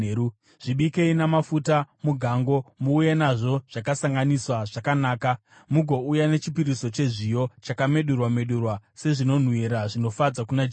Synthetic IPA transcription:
u | ʐ̥iɓike̞inamafutamuɡʱaŋɡo̞muːje̞naʐo̞ʐ̥akasaŋɡaniswaʐakanaːka | muɡʱo̞ujane̞t͡ʃipiɾiso̞t͡ʃe̞ʐijo̞t͡ʃakame̞ɗurwame̞ɗurwase̞ʐino̞n̤wiɾaʐino̞fad͡zakunad͡ʒ

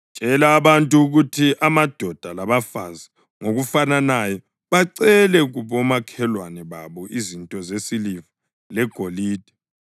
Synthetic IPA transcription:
t͡ʃʼɛlaːβantʼuːɣutʰiʔamad̥ʱɔd̥ʱalaβafanzi | ŋoɣufananajɔ | βaǀɛlɛɣuβɔmakʰɛlwanɛβaβɔʔizintʼɔzesiliva | lɛɡ̥ʱoliːd̥ʱi

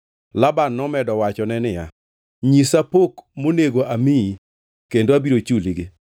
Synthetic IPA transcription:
labanːɔmɛdɔwat͡ʃɔnɛnɪja̰ | ɲisapokmoneɡoʔamii | kendoabiɾot͡ʃuliɡɪ

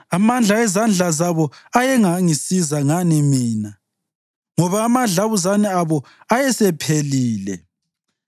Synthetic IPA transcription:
amand͡ɮʱaɛzand͡ɮʱazaβɔajɛŋaŋisizaŋanimiːna | ŋɔβaːmaɮaβuzanɛaβɔ | ajɛsɛpʰeliːlɛ

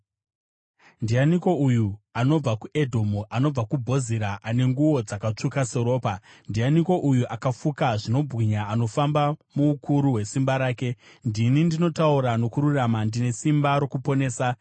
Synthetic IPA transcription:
ndijaniko̞ujuano̞b͡vakuʔe̞dʱo̞muʔano̞b͡vakubʱo̞ziɾaʔane̞ŋɡuwo̞d͡zakat͡ʂukase̞ɾo̞ːpandijaniko̞ʔujuʔakafukaʐino̞bɣiɲaːno̞fambamuːkʰuɾuɦwe̞simbaɾaːke̞ | ndinindino̞tauɾano̞kuɾuramandine̞simbaɾo̞kupo̞ne̞ːsa

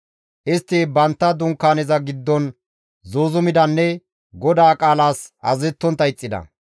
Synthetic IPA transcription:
ʔɪst̪ːɪbɐnt̪ːɐd̪ʊŋkːaːnɛzɐɡɪd̪ːɔn | zoːzʊmɪd̪ɐnːɛ | ɡɔd̪aːkʼaːlaːsɐzɛt̪ːɔnt̪ːɐɪt͡sʼːɪd̪ɐ̰

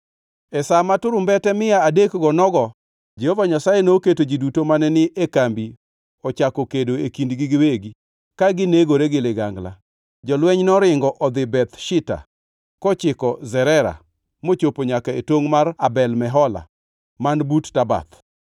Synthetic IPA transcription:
ɛsamatʊɾʊmbɛtɛmɪjaadekɡɔnɔɡɔ | d͡ʒehovaɲasajenoketod͡ʒidutomanɛnɪʔekambi | ɔt͡ʃakɔkedoekindɡɪɡɪweɡi | kaɡɪneɡoɾeɡɪlɪɡaŋɡla̰ | d͡ʒɔlwɛɲnɔɾɪŋɡɔʔɔd̪ɪbɛt̪ʃɪta̰ | kɔt͡ʃɪkɔzɛɾɛɾa̰ | mot͡ʃopoɲakaetoŋmarabɛlmɛɦɔla̰ | manbuttaba̰t̪

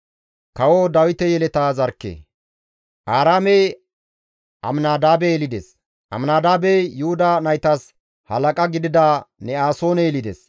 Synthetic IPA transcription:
kɐwod̪ɐwɪt̪ɛjɛlɛt̪aːzɐɾkːḛː | ʔaːɾaːmej | ʔɐmnaːd̪aːbeɛlɪd̪es | ʔɐ̰mnaːd̪aːbejʊhʊd̪aːnɐjt̪ɐs | hɐlɐkʼɐɡɪd̪ɪd̪anɛaːso̞ːnɛɛlɪd̪ɛ̰s

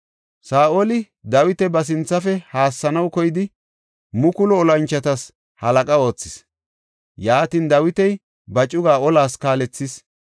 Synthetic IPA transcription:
saːʔolɪ | d̪ɐwɪt̪ɛbɐs̬ɪnt͡sːɐfɛhaːsːɐnɐwkɔjɪd̪ɪ | mʊkʊlɔːlɐnt͡ʃːɐt̪ɐs | hɐlɐkʼɐo̞ːt͡sːɪs | jaːt̪iːnd̪ɐwɪt̪ɛj | bɐt͡ʃʼʊɡaːɔlaːskaːlɛt͡sːɪs

